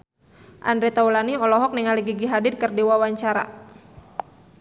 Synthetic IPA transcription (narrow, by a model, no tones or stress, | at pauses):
ʔa̰ndɾet̪aulaniɔlɔɦɔk̚niŋaliɡiɡiɦadɪrkərdiwawaɲt͡ʃaɾa̰